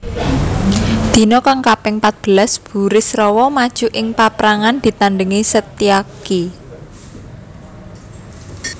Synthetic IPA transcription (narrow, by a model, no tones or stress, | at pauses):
d̪̥i̤nɔkaŋkapɪŋpat̪̚b̥əlasb̥ṳɾɪsrɔwɔmad̥ʒ̥ṳʔɪŋpapɾaŋand̪̥i̤t̪anɖəŋisət̪iaki